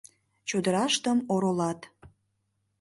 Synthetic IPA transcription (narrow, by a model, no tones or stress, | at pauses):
t͡ɕod̪əɾɑʃt̪əmoɾolɑt̪